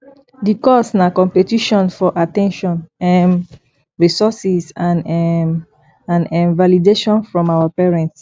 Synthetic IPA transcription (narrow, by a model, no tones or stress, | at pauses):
dikɔsnakɔ̃mpetiʃɔ̃nfɔʔatɛ̃nʃɔ̃nɛm | ɹisɔsisãn | ãnɛ̃nvalideʃɔ̃nfɹɔ̃mawapɛɹɛ̃nts